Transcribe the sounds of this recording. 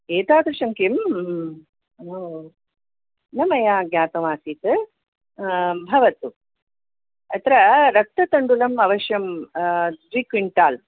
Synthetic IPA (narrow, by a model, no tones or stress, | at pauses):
eːt̪aːd̪ɾɨʃɐŋkim | o | nɐmɐjaːɡjaːt̪ɐʋaːsit̪ɨ | bʱɐʋɐt̪u | ɐt̪ɾɐɾɐk̚t̪ɐt̪ɐɳɖulɐmɐʋɐʃjɐm | d̪ʋikʋiɳʈaːl